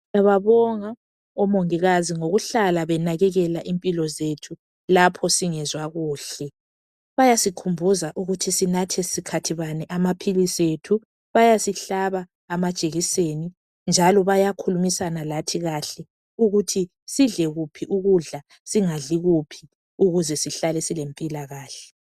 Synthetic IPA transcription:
jaβaβɔŋa | ɔmoŋiɣaziŋoɣuɬalaβɛnaɣɛɣɛlaʔimpʼilɔzetʰu | lapʰɔsiŋɛzwaɣuːɬɛ | βajasikʰumbʱuzaʔuɣutʰisinatʰɛsikʰatʰiβanɛʔamapʰilisetʰu | βajasiɬaβaː | mad̥t͡ʃʼeɣiseːni | nd͡ʒʱalɔβajakʰulumisanalatʰiɣaɬɛ | uɣutʰi | siɮɛɣupʰiʔuɣuɮa | siŋaɮiɣupʰi | uɣuzɛsiɬalɛsilempʼilaɣaːɬɛ

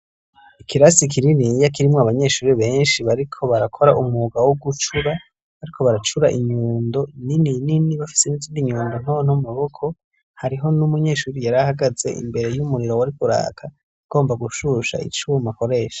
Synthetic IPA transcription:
ikʰiɾasikʰiɾinijak̬iɾimŋoaβaɲe̞ːʃuːɾiβe̞ːnʃiβaɾikʰo̞βaɾakʰo̞ɾaʔumuːɡawoɡut͡ʃuɾa | βaɾikʰo̞βaɾat͡ʃuɾaʔiɲuːndo̞ninininiβafi̥se̞niziːndiɲuːndon̥oːn̥omaβo̞kʰo̞ | haɾiɦo̞numuɲe̞ːʃuːɾijaɾahaɡaze̞̰ʔḭmbe̞ɾe̞jumuɾiɾo̞waɾikuɾa̰ːkʰa | ɡ̥o̞ːmbaɡuʃuʃa̰ḭt͡ʃuːmako̞ɾe̞ːʃḁ

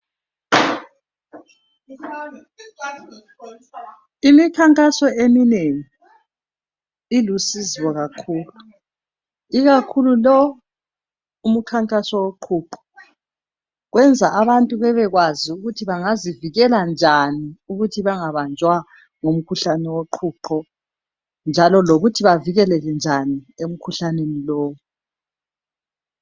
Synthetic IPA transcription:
imikʰaŋkʼasɔemineŋi | ilusiziwɔɣakʰuːlu | iɣakʰululɔ | um̩kʰaŋkʼasɔwoǃʰuːǃɔ̥ | ɣwʔɛnd͡zʱaʔaβantʼuβɛβɛɣwaziuɣutʰiβaŋaziviɣɛland͡ʒʱaniuɣutʰiβaŋaβand͡ʒʱwa | ŋom̩kʰuɬanɛwoǃʰuǃɔ | nd͡ʒʱalɔloɣutʰiβaviɣɛlɛlɛnd͡ʒʱaniem̩kʰuɬanenilɔːwu

